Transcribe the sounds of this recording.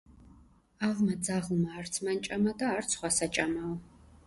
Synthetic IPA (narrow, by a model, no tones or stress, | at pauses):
aʁmad̪d͡zaʁlmaːrt̪sʰmant͡ʃʼamad̪aːrt̪sʰχwasat͡ʃʼama